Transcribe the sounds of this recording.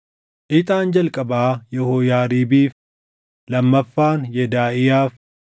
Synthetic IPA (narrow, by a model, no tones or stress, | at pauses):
ʔɪt̪ʼaːnd͡ʒɐlkʼɐbaːjɛhoːjaːɾiːbiːf | lɐmːɐfːaːnjɛd̪aːʔɪjaːf